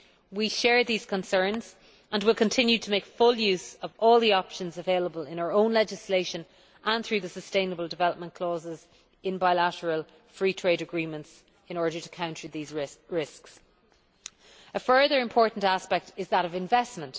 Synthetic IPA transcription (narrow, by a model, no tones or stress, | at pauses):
wiʃɛːɹðiːz̥kʰə̃nsɜ̃˞nz̥ | ʔə̃nwɪlˠkʰə̃ntʰɪ̃njʉtʰəmeɪkfʊljʉzəvɔːlˠðiɑpʃə̃nzəveɪləbəlɪ̃naʊə˞õʊ̃nlɛd͡ʒɪsleɪʃə̃n | ʔə̃nθɹʉːðəsəstẽɪ̃nəbəlˠdɪvɛləp̚mə̃nkʰl̥ɔːzɪz | ɪ̃nbaɪlaɾəɹəlˠ | fɹiːtʰɹ̥eɪɾəɡɹĩːmə̃nts | ɪ̃ñɔːɹɾə˞tʰə̥kʰãʊ̃ntəðiːzɪɹɪsks | əfɜ˞ðə˞ɪ̃mpʰɔːɹʔn̩taspɛk̚tʰɪzðəɾəvɪ̃ɱvɛsmə̃nt